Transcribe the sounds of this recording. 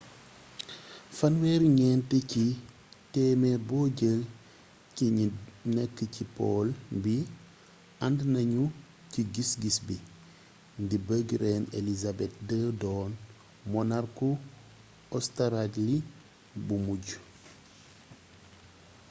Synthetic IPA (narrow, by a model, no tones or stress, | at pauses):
fɐnwɛːɾɲɛntəci | tɛmɛbɔːɟəl | ciɲinɛkːəcipɔlbi | andnɐɲu | ciɡisɡisbi | ndibəɡɾeːnḛlizabɛt̚dəːdɔːn | mɔnarku | ɔstaɾaɟli | bumuɟu